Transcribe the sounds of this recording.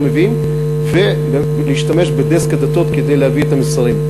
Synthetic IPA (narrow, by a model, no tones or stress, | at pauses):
mevim | ve | b | lejʃt̪ameʃbed̪eskad̪at̪ot̪ked̪ejlehaviet̪amisaʁim